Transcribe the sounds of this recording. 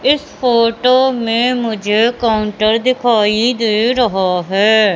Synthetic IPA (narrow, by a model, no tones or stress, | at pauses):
ɪspʰoːʈoːmẽːmʊd͡ʒʱeːkaːʊɳʈəɾd̪ɪkʰaːiːd̪eːɾəɦaːɦɛː